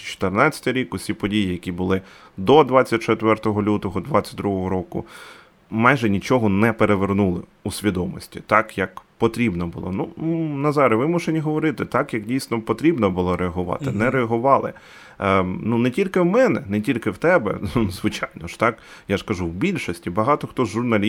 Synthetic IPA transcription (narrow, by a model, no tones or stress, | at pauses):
t͡ʃɔ̥t̪ernɑt͡sʲɐ̥t̪ɪɾʲikʊsʲipɔdʲijijɐkʲibʊlˠɪ | d̪ɔd̪ʋɑt͡sʲːɐt̚ʲt͡ʃet̪ʋɛrt̪ɔɦɔlʲut̪ɔɦɔd̪ʋɑt͡sʲɐ̥t̚ʲd̪ɾuɦɔɦɔɾɔkʊ̰ | mɑjʒɛnʲit͡ʃɔɦɔnɛpeɾeʋernulˠɪ | usʲʋʲid̪ɔmɔsʲtʲit̪ɑkjɐkpɔt̪ɾʲibnɔbʊlˠɔ̰nunɐzɑɾʲɪʋɪmʊʃenʲiɦɔʋɔɾɪt̪ɪt̪ɑkjɐkdʲijsnɔpɔt̪ɾʲibnɔbʊlˠɔɾeɐɦʊʋɑ̰t̪ɪnɛɾeɐɦʊʋɑlˠɪ̰ | nunɛtʲilʲkɪwmɛnɛnɛtʲilʲkɪwt̪ɛbɛ̰zʋɪt͡ʃɑjnɔʃt̪ɑk | jaʒkɐʒuwbʲilʲʃɔsʲtʲibɐɦɑt̪ɔxt̪ɔzʒʊrnɐlʲ